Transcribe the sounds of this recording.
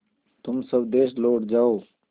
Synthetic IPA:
t̪ʊmsəbd̪eːsloːʈd͡ʒaːoː

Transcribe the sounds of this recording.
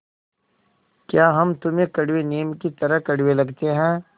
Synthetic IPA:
kjaːɦɐmt̪ʊmẽkɐɽweneːəmkit̪ɐɾəɦkɐɽwelɐɡt̪eɦɛ̃ː

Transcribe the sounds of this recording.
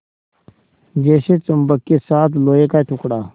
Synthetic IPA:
d͡ʑeːɕet͡sumbəkːisaːt̪loːekaːʈʰukɽaː

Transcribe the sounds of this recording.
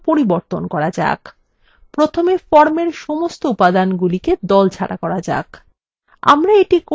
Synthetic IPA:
poɾiboɾt̪onkɔɾad͡ʑa̰k | pɾot̪ʰomefɔɾmeɾʃɔmost̪oupad̪anɡuliked̪ɔlt͡ɕʰa̰ɽa̰kɔɾad͡ʑa̰k | a̰mɾaeʈiko

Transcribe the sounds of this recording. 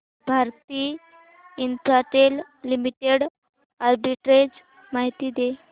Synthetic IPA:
bʱaɾt̪iː | ntaʈ̪el | limiʈeɽ | aɾbiʈɾed͡z | maɦit̪iːd̪e

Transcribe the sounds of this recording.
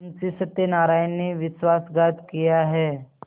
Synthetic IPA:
nt͡sisət̪ːjenaɾajnːiʋisʋasɡat̪kijaɦɛ

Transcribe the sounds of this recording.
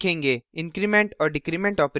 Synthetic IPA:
kʰẽːŋɡeɪ̃nkɾimẽɳʈɔːɾɖɪkɾimẽɳʈɔːpɾ

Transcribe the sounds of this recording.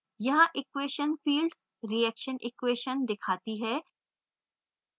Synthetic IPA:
jɐɦãʔɪkweːʃənfiːlɖ | ɾiɛkʃənʔɪkweːʃənd̪ɪkʰaːt̪iɦɛː

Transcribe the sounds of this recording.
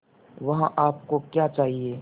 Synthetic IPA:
ʋɐɦãʔaːp̚kokjaːt͡ʃaːɦieː

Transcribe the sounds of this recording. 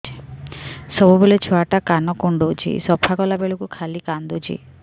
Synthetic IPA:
sɔbubolet͡ʃʰɔaʈakanɔkuɳɖot͡ʃʰḭsɔpʰakɔlabeɭokukʰalikand̪ut͡ʃʰḭ

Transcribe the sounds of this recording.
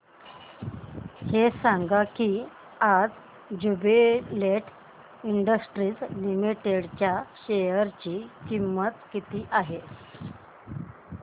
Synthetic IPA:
hesãŋɡakiː | ad͡z | d͡ʑubeleʈʰ | iɳɖəsʈɾiːd͡zlimiʈeɽt͡ɕjaɕejəɾt͡ɕiːkimːət̪kit̪iːʔaɦe

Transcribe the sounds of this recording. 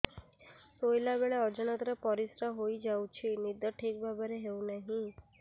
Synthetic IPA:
sojlabeɭeɔd͡ʒənət̪ɾəpɔɾisɾaɦoid͡ʒaũt͡ʃʰinid̪əʈʰekbʱabəɾeɦeũnəɦĩ

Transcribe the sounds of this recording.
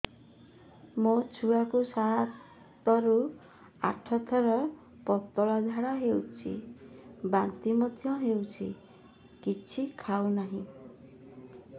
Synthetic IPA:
mot͡sʰuwakosa | t̪ʌɾu | a̰ʈʰʌt̪ʰʌɾʌ | pʌt̪ɔlad͡zʱaɽaɦewt͡sʰḭ | bant̪imʌt̪ʰjʌ̃ɦewt͡sʰḭ | kit͡sʰikʰawnaɦĩ

